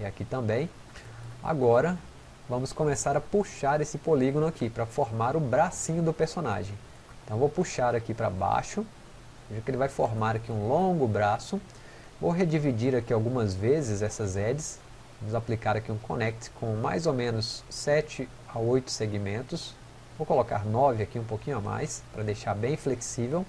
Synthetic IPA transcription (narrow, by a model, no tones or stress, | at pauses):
iakit̪ɐ̃mbẽj̃ | a̰ɡɔɾɐ | vɐ̃mʊskõmesaɾɐpuʃaɾesɪpoliɡõnʊakipɾɐfoɾmaɾʊbɾasĩɲʊd̪ʊpeɾsona̰ʒẽj̃ | ẽt̪ɐ̃w̃vowpuʃaɾakipɾɐ̰ba̰ʃʊ | eʒaɐkɪelɪvajfoɾmaɾɐkiũlõɡʊbɾasʊ | vowɦed͡ʒivid͡ʒiɾakiawɡũmɐzvezɪzɛsɐzɛd͡ʒɪs | nʊzaplikaɾakiũkʰõ̰nɛk̚t͡ʃɪ̥kʰõma̰jzowmẽnʊsːɛt͡ʃɪ | aojt̪ʊ̥seɡimẽnt̪ʊs | vowkoloka̰ɾnɔvɪakiũpowkĩɲʊama̰jspɾɐd̪ejʃaɾbẽj̃fleksivew